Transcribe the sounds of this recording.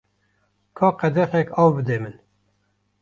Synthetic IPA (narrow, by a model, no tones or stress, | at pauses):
kʰɑːqɛd̪ɛxɛkɑːwbɨd̪eːmɨn